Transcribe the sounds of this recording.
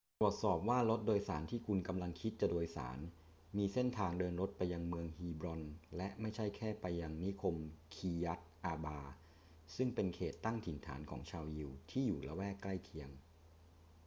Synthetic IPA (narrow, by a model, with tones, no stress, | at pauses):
t̪ɾu˨˩ət̪̚sɔː˨˩p̚waː˥˩lo˦˥t̪̚doː˧jsaː˩˦nt̪ʰiː˥˩kʰu˧nka˧mla˧ŋkʰi˦˥t̪̚t͡ɕa˨˩doː˧jsa̰ː˩˦n | miː˧se˥˩nt̪ʰaː˧ŋdɤː˧nɾo˦˥t̪̚pa˧jːa˧ŋmɯ˧əŋhiː˧bɾɔ˧nlɛ˦˥ʔma˥˩jt͡ɕʰa˥˩jkʰɛː˥˩pa˧jːa˧ŋni˦˥kʰo˧mkʰiː˧ja˦˥t̪̚ʔaː˧baː˧ | sɯ˥˩ŋpe˧nkʰeː˨˩t̪ːa˥˩ŋt̪ʰi˨˩˦nt̪ʰa̰ː˩˦nkʰɔ̰ː˩˦ŋt͡ɕʰaː˧wji˧wt̪ʰiː˥˩juː˨˩la˧˥wɛː˥˩kla˥˩jkʰi˧˥əŋ